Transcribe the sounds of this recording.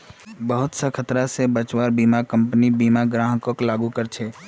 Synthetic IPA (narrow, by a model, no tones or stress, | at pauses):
bəɦʊt̪səkʰət̪ɾasebət͡ʃwaːɾbiːmakə̃mpnibiːmaɡɾãːɦkoklaːɡukəɾt͡ʃʰɛː